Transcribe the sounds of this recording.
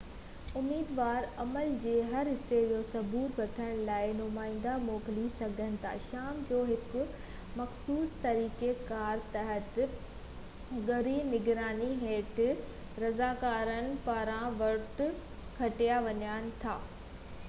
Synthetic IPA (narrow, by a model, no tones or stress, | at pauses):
ʊmiːd̪ʋaːɾɐməld͡ʑeːɦɐɾɦɪsːed͡ʑoːsɐbuːt̪ʋɐʈʰəɽ̃laːɪnʊmaːɪ̃ːn̆d̪amoːklisɐɡʱənɪ̆t̪ʰa̰ːʃaːmd͡ʑoːɦɪkʊ̆ | mɐxsuːst̪ɐɾiːkekaːɾt̪ɐɦət̪ | ɡɐɾinɪɡɾaːniɦeːʈ | ɾɐzaːkaːɾənɪ̆paːɾãʋɐɾʈʊ | kʰɐʈijaʋɐɲaːnɪ̆t̪ʰa̰ː